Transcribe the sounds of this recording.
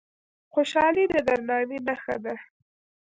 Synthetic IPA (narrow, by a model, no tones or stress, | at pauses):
xoʃɑlid̪əd̪aɾnɑnenaxad̪a